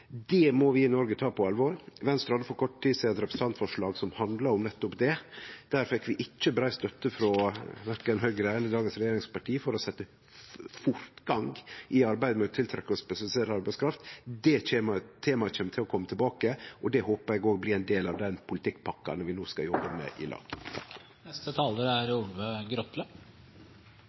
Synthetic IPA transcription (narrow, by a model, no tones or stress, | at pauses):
d̪ɛmɔʋɪɪnɔɾɡət̪ʰɑːpʰɔɑlʋoːɾʋɛnst̪ɾɑd̪əfɔɾkʰɔʈːʈ̪ːiːsɛɛt̪ɾɛpɾəsət̪ɑnt̪fɔʂɭɑːɡsɔmhɑnd̪lɑɾɔmnɛt̪ːʊpd̪ɛd̪̥æːɾfɛkːʋɪʔɪt͡ʃːəbɾæɪst̪œt̪ːəfɾɔʋæɾkɑɛnhœʏɡɾæənəd̪ɑːɡənsɾɛjeːɾɪŋspɑʈiːfɔɾɔsɛt̪ːə | fʊɾt̪ɡɑŋɡʔɪɑɾbæɪd̪əmɛɔt̪ʰɪlt̪ʰɾɛkːɔspɛʃɑlɪseːɾəɑɾbæɪskʰɾɑft̪d̪ɛɛːmt̪ʰeːmɑc͡çɛːmət̪ʰɪlɔkʰɔmːət̪ʰɪbɑːkəʔɔd̪ɛhoːpəɾæɪɡoːɡbliːæɪnd̪eːlɑʋd̪ɛnpʰʊlɪt̪ʰɪkːpʰɑkːɑ̰nəʋɪnoːskɑ̰jɔbːəmɛ̰ʔɪ̰lʔɑ̰ːɡ̥t̪ʰɑkː | nɛst̪ət̪ʰɑːləɾæɾʊlʋəɡɾɔt̪lə